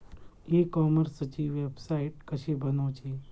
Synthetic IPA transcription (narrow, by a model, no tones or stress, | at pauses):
ekɔːməɾsət͡ʃiʋebsaiʈkəʃebənoːt͡ʃʰe